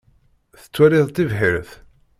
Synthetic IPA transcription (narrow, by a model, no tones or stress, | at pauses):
θə̥t͡sːwæɾɪðˤt̪ːivɦɪɾθ